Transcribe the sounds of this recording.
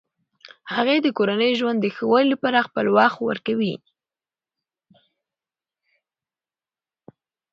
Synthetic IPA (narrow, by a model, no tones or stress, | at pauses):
haɣad̪əkoɾanəjʒwand̪ːəxəwajləpɑɾaxpəlwɑxwə̰ɾkawi